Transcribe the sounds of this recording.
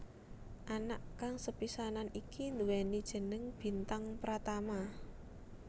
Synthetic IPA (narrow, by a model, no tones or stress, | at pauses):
ʔanaʔkaŋsəpisananikind̪uwɛnid̥ʒ̥ə̤nəŋb̥i̤nt̪aŋpəɾat̪ama